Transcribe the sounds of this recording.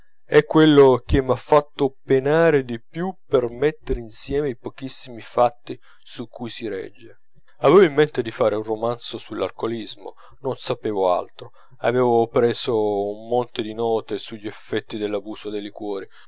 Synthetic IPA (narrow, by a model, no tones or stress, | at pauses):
ɛkːwelːok̟emːafːat̪ːopenaːɾed̪ipjupermet̪ːeɾeinsjɛːmeipɔk̟isːimifat̪ːi | sukʰːujsiɾɛ̰d͡ʒːe | avɛːvoimːɛnt̪ed̪ifaːɾeunromant̪sosulːa̰lkolizmo̰ | nonsapɛːvoa̰lt̪ɾo | a̰vɛːvopɾɛːzoumːɔnt̪ɪd̪inɔːt̪esuʎːiɛfːɛt̪ːid̪elːabuːsod̪elikwɔːɾi